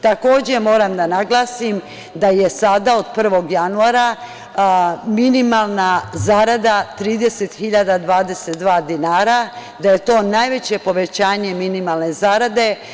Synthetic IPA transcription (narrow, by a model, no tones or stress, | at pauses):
t̪ako̞ːd͡ʑe̞mo̞ːɾamd̪anaɡlˠaːsim | d̪aje̞sad̪ao̞d̪pr̩ʋo̞ɡjanuaːɾa | minimalˠnazaːɾad̪at̪ɾiːd̪e̞set̪xiʎad̪ad̪ʋaːd̪e̞set̪d̪ʋaːd̪inaːɾad̪aje̞t̪o̞ːnajʋe̞t͡ɕe̞po̞ʋe̞t͡ɕaːɲe̞minimalne̞zaːɾad̪e̞